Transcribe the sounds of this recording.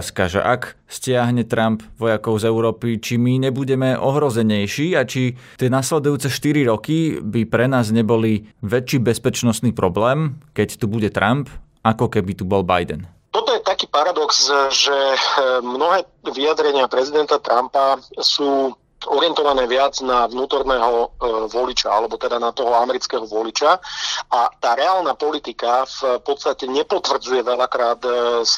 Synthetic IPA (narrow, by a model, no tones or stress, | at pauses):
skaʒɛ̰ʔak | scɪaɦɲɛt̪ɾampʋɔjakɔʊzɛʊɾɔːpit͡ʃimiɲɛbuɟɛmɛʔɔɦɾɔzɛɲɛjʃiːat͡ʃi | t̪ɪɛnaslɛd̪ujuːt͡sɛʃt̪iɾiɾɔkibipɾɛnaːzɲɛbɔliʋɛt͡ʃiːbɛspɛt͡ʃnɔst̪niːpɾɔblɛːmkɛct̪ubuɟɛt̪ɾʔamp | akɔkɛbit̪ubɔlba̰jd̪ɛ̰n | t̪ɔt̪ɔjɛt̪akiːpaɾad̪ɔksʒɛmnɔɦɛːʋiad̪ɾɛɲɪapɾɛzid̪ɛnt̪at̪ɾampasuː | ɔɾɪɛnt̪ɔʋanɛːʋɪad͡znaʋnuːt̪ɔɾnɛːɦɔʋɔlit͡ʃaalɛbɔt̪ɛd̪anat̪ɔɦɔamɛɾit͡skɛɦɔʋɔlit͡ʃaat̪aːɾɛaːlˠnaːpɔlit̪ikafpɔt̪st̪acɛɲɛpɔt̪ʋr̩d͡zujɛʋɛʎakɾaːt̪s